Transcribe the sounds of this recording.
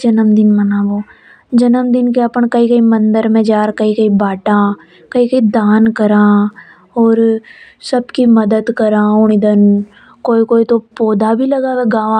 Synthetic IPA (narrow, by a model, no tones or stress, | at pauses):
d͡ʒɐnəmd̪ɪnmɐnãːboː | d͡ʒɐnəmd̪ɪnkeɐpəɳ̃kɐɦikɐimɐ̃nd̪əɾmẽd͡ʒaːɾkɐɦikɐibaːʈãː | kɐɦikɐid̪aːnkɐɾãː | ɔːɾ | sɐbkimɐd̪əd̪kɐɾãːʊɽ̃id̪ən | koːikoːit̪opoːd̪ʱabʱilɐɡaʋeɡaːʋã